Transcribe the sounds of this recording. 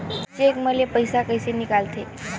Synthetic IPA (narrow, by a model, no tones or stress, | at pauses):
t͡ɕekməlepəjsakəjsenikalt̪e